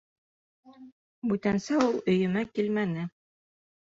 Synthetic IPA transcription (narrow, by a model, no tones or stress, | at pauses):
bʉt̪ænsæulˠɵ̆jɵ̆mækilmænɘ